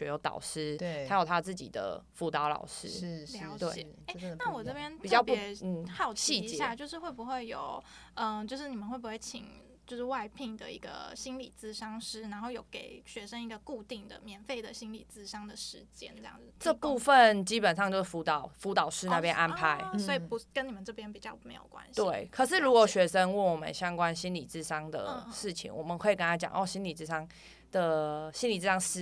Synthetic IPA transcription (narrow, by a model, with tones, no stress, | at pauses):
t͡ɕɛ˧˩jo˧˥t̪ɑ̰˨˩ʊʂɻ̩ʰ˥a˧˥jo˨˩ʊt̪ʰa˥t͡sɹ̩˥˩t͡ɕḭ˨˩d̪ə̰˩fu˥˩t̪ɑ˧˥ʊlɑ̰˨˩ʊʂɻ̩˥ljɑ˧˥ʊt͡ɕ̪we˥˩ɪ̰˨˩ | e˥˧na˥˩wɔ˨˩ʈ͡ʂɤ˥˩pjɛ˥npi˨˩t͡ɕjɑ˥˧ʊpn̩˥˩xɑ˥˩ʊt͡ɕɕʰi˥˧˩jja˥˧t͡ɕjo˧ʂɻ̩˥˧xwe˥˩ɪbu˨˩xwe˥˩ɪjo˨˩ʊ | ə˧˩t͡ɕjo˧ʊʂɻ̩˥˩ni˨˩mə˦nwe˥˩ɪbu˧˥xwe˥˩ɪt͡ɕʰḭ˨˩˦ŋ | t͡ɕjo˥˧ʊʂɻ̩˥˧wa˥˧ɪpʰi˥˩ŋd̪ə̰˨ḭ˧˥ɡə̰˧ɕi˥nlḭ˨˩t͡sɹ̩˥˧ʂɑ˥ŋʂɻ̩˥na˧˥nxo˥˩ʊjo˨˩ʊke˨˩ɪɕɥɛ˧˥ʂə˥ŋi˧˥ɡə˨ku˥˧t̪i˥˩ŋd̪ə̰˩mjɛ˧˥nfe˥˩ɪd̪ə˨ɕi˥nlḭ˨˩t͡sɹ̩˥˩ʂɑ˥ŋd̪ə˨ʂɻ̩˧˦t͡ɕjɛ̰˥nʈ͡ʂə˥˧jɑ̰˥˨ŋ˥ʈ͡ʂə˥˧pu˥˧fə˨nt͡ɕi˦˥pə˨nʂ̬ɑ˥˧ŋt͡ɕjo˥˧ʂ̩˥˩fu˧˥t̪ɑ˨˦ʊfu˧˥t̪ɑ˨˩ʊʂɻ̩˥˦na˥˩pjɛ˦nʔa˥˧npʰa˧˦ɪsɔ˧˥i˨˩pu˧˥kə˥ni˨˩mə˨˦nʈ͡ʂɤ˥˩pʰjɛ˥npi˨˩t͡ɕjɑ˥˩ʊme˧˥ɪjo˨˩kwa̰˧˥nɕit̪we˥˩ɪkʰə˨˩ʂ̬ɻ̩˥˩ɻu˧˥kwɔ˨˩ɕɥɛ˧˥ʂə˦˥nwə˥˩nwɔ˨˩mə̰˦nɕjɑ˥ŋkwa˦˥nɕi˥nli˨˩t͡sɹ̩˥˩ʂɑ˥ŋd̪ə̰˩ʂɻ̩˥˩t͡ɕʰḭ˧˦ŋwɔ̰˨˩mə˨nxwe˥˩ɪkə˥˦na˥t͡ɕjɑ̰˨˦ŋʔɔ˥˩ɕi˥nli˨˩t͡sɹ̩˥ʂɑ˥ŋ | d̪̥ə˨ɕi˥nli˨˩t͡s̩˥ʂɑ˥ŋʂɻ̩˥˩